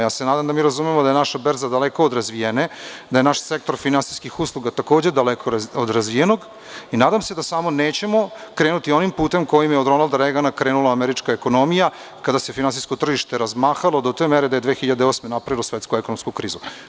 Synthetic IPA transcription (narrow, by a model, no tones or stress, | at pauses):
jaːsenaːd̪amd̪amiːɾazumemod̪ajenaʃabeɾzad̪aleko̞od̪ɾazʋijened̪aje̞naʃsek̚t̪o̞ɾfinansiskixuslˠuɡat̪ako̞ːd͡ʑe̞d̪alekʰoɾod̪ɾazʋijeno̞ɡ | inaːd̪amse̞d̪asamo̞neːt͡ɕe̞mo̞kɾeːnut̪io̞nimpuːt̪e̞mko̞jimjeod̪ɾo̞nalˠd̪aɾeɡanakɾe̞ːnulˠaːmeɾit͡ʂkaeko̞no̞mija | kad̪ase̞finansiskot̪r̩ʒiʃt̪e̞ɾazmaːxalˠod̪ot̪eːmeɾed̪ajed̪ʋeːxiʎad̪eosme̞napɾaʋilosʋet̪skuekonomskukɾiːzu